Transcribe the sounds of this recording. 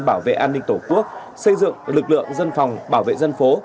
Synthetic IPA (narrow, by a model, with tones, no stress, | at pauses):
ɓaː˧˩wvḛ˧˨ʔaː˧nːï˧ŋt̪o˧˩ku˦˥ək̚ | sə˧jzɨ̰˧˨əŋlɨ˨˩k̚lɨ̰˧˨əŋzə˧nfa˨˩wŋ͡mɓaː˧˩wvḛ˧˨zə˧nfo˨˦